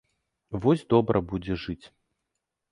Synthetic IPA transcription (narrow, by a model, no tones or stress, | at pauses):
vɔzʲd̪ɔbɾʔɐbud͡zʲɛʐɨt͡sʲ